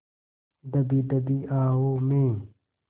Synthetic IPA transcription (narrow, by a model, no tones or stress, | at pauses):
d̪ɐbid̪ɐbiːʔaːɦoːmẽː